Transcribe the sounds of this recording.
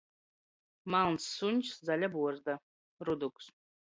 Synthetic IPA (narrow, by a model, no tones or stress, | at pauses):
malˠnsːunʲt͡ʃszalʲabuɔɾd̪a | ɾud̪uks